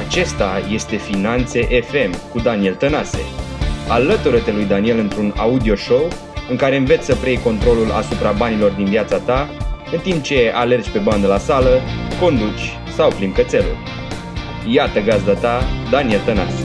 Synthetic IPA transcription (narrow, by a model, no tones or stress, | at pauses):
at͡ʃe̞st̪aje̞st̪e̞finant̪se̞ʔefe̞mkud̪anie̞lt̪ənase̞̰alət̪uɾət̪e̞lujd̪anie̞lɨnt̪ɾuna̰ud̪io̞ʃo̞w | ɨŋkaɾe̞ɨɱve̞t̪sʲsəpɾejko̞nt̪ɾo̞lula̰supɾabanilo̞rd̪inviat̪sat̪aɨnt̪imp̚t͡ʃe̞ale̞rt͡ʃʲpe̞band̪əlasaləko̞nd̪ut͡ʃʲ | sawplimkət̪se̞lṵl | jat̪əɡazd̪at̪ad̪anie̞lt̪əna̰se